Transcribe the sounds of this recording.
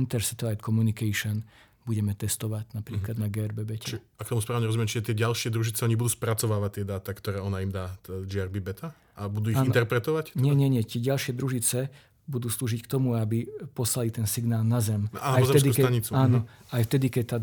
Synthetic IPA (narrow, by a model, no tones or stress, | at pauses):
int̪ɛɾsɛt̪ɔʋajt̪kʰɔmunikɛʃɔn | buɟɛmɛt̪ɛst̪ɔʋaɟnapɾiːklad̪naɡɛːɛɾbɛbɛcɛ | akt̪ɔmuspɾaːʊɲɛɾɔzumɛmt͡ʃiʒɛt̪ɪɛɟalʃɪɛd̪ɾuʒit͡sɛɔɲibud̪uːspɾat͡sɔʋaːʋat̪ːɪɛd̪aːt̪akt̪ɔɾɛːɔnaimd̪aːd͡ʒɪaɾbibɛt̪ʰa | ʔabud̪uːiːint̪ɛɾpɾɛt̪ɔʋact̪ɲɛɲɛɲɛt̪ɪɛɟalʃɪɛd̪ɾuʒit͡sɛ | bud̪uːsluːʒickt̪ɔmuabipɔslalit̪ɛnsiɡnaːlˠnazɛmnaaɔzɛmɛskd̪iuskɛaɲit͡suaːnɔ | ajft̪ɛd̪ikɛct̪aː